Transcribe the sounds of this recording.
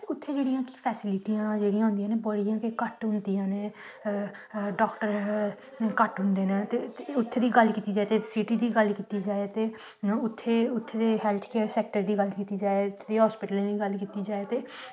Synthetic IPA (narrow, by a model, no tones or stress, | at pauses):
ʊt̪ʰːeːd͡ʒeːɽijãːki̥pʰɛːsɪlɪʈijãːd͡ʒeːɽijãɦʊ̃nd̪ijãːneːbəɽijãːkekəʈɦʊ̃nd̪ijãːneː | ɖɔːkʈəɾ | kəʈɦʊ̃nd̪eːneːt̪eːʊt̪ʰːeːd̪iːɡəlkiːt̪iːd͡ʒaːet̪eːsiʈiːd̪iːɡəlkiːt̪iːd͡ʒaːet̪eː | ʊt̪ʰːeːʊt̪ʰːeːd̪eːɦɛːlt̪ʰkeːsɛːk̚ʈəɾd̪iːɡəlkiːt̪iːd͡ʒaːet̪ʰed̪eːɦɔːspɪʈəlẽːiːɡəlkiːt̪iːd͡ʒaːet̪eː